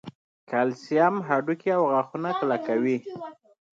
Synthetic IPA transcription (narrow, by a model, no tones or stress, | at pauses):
kalsiamɦaɖukiawɣaxunaklakawi